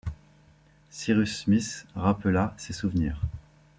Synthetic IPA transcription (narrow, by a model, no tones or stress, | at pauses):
siʁysmisʁapəlasesuvnḭːʁ